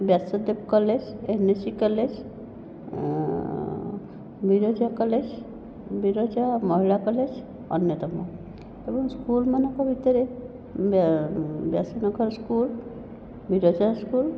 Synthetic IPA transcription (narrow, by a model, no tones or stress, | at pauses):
bjasəd̪ebkɔled͡ʑenesikəled͡ʑ | bʱiɾod͡ʒakəled͡ʑ | biɾod͡ʒamɔɦiɭakəled͡ʑ | ɔ̰njət̪əmɔ̰ | t̪ebɔŋskulmənəkabʱit̪əɾe | bjasənəɡəɾskul | biɾod͡ʒaskuːl